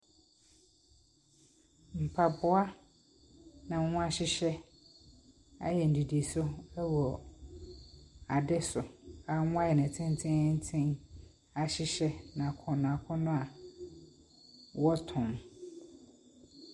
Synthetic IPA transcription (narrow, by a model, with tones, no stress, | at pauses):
m̩˨pʰa˨bʊ˦a˦ | nã˨˦ʊ̃˦a˦ɕɪ˦ɕɛ˦ | a̰˦jɛ˨n̩˨di˨di˨e˨sʊ˦ɛ˦wɔ˨ | a˨dɛ˦sʊ˨a˨˦ŋʊ̃˦a˦jɛ˨nɪ̃˨tʰɪ̃˦n˦tʰɪ̃˦n̩˦tʰɪ̃˦n | a˨ɕɪ˦ɕɛ˦nã˨kʰɔ̃˨ñ˨a˨kʰʊ̃˦nʊ̃˦a˨ | wɔ˦tʰʊ̃˨m